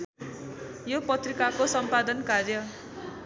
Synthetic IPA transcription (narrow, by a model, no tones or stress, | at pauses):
jopʌt̪rikakosʌmpad̪ʌnkarjʌ